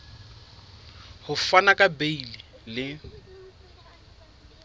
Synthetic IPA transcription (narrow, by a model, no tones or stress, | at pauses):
hʊfanakʼabeililɪ